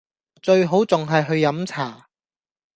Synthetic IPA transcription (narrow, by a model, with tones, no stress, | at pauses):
t͡ʃɵ˧ɥɦo˨˥wt͡sʊ˨ŋɦɐ˨jɦɵ˧ɥjɐ˨˥mt͡sʰaː˨˩